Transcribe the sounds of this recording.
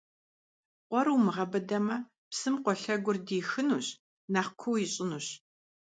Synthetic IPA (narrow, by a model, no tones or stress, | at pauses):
qʷɔɾuːmɨʁɐbɐdɐmɐ | psɨmqʷɔɬɐɡʷʊrdiːxɨnuːɕ | nɐχkʷʰuwjɪɕʼɪnuːɕ